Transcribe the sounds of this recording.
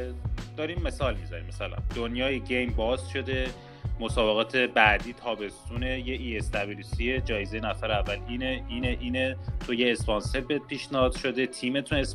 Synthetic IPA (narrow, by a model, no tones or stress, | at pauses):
d̪ɒːɾiːmːe̞sɒːlmizɒ̰ɾḭmæsælæ̰nd̪̥onjɒːjeɟejmbɒːzʃo̞d̪e̞ | mo̞sɒːbe̞ɣɒːt̪ʰe̞bæʔd̪iːt̪ʰɒːbe̞st̪uːnejeʔiest̪æbilisied͡ʒɒːjezejenæfæɾeævːæliːneiːneʔiːnet̪ʰo̞jeːspɒnse̞ɾbed̪̚pʰiːʃnehɒːd̪̥ʃo̞d̪e̞t̪ʰiːme̞t̪ʰunes